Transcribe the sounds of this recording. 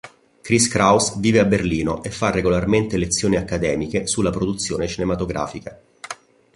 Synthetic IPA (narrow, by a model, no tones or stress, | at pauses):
kɾiskɾawsviːveabːerliːnoʔefːarːeɡolarment̪elet̪sːjoːniakːad̪ɛːmikesulːapɾod̪ut̪sːjoːnet͡ʃinemat̪oɡɾʔa̰ːfika